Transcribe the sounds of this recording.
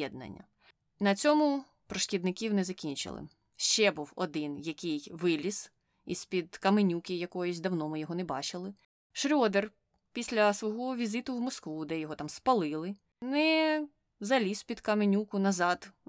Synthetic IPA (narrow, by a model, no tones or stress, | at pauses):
ɛd̪̚nɐ̰nʲːɐ̰ | nɐt͡sʲɔmʊ | pɾɔʃkʲid̪nɪkʲiwnɛzɐkʲinʲt͡ʃɪ̰lˠɪ̰ | ʃt͡ʃɛbuwɔ̰d̪ɪnjɐkʲɪjʋɪlʲis | ispʲid̪kɐmenʲukʲɪjɐkɔjɔsʲd̪ɐwnɔmɪjɔɦɔnɛbɑ̰t͡ʃɪlˠɪ | ʃɾʲɔd̪er | pʲisʲlʲɐsʋɔɦɔʋʲizɪt̪ʊwmɔskʋud̪ɛjɔɦɔt̪ɑmspɐlˠɪlˠɪ | nɛ | zɐlʲispʲid̪kɐmenʲukʊnɐzɑd̪